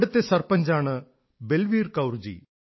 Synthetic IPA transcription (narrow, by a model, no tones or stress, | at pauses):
ɽut̪ːesɐrpɐɲd͡ʑaːɳɨ | belʋiːrkɐwrd͡ʑḭ